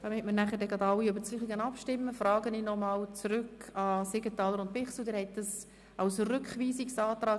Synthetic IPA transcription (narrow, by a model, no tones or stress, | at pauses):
d̥ɑmɪtməɾnæχəɾdɛɡɑd̪ɑwiøbəɾt͡syːχiɡənɑpʃtɪmːəfrɑːɡəniːnɔmɑːlt͡sɾʏkʰɑseɡ̥ətɑːləɾʊnt̚pɪχsl̩dɪːɾhɛt̚d̥ɑs | ɑwsrʏkχʋiːsiksɑːt̪ɾɑː